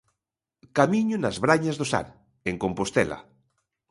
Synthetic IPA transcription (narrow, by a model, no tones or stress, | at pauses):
kamiɲʊnazβɾaɲazðosa̰ɾ | eŋkompost̪ɛ̰la̰